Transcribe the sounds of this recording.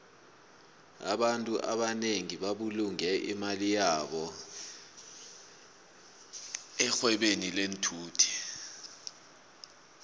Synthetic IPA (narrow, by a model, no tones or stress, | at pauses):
a̰ɓantʼuʔa̰ɓaneŋiɓaɓuluŋɛʔḭmalijaːɓɔ | ɛxwɛɓenilentʰuːtʰi̥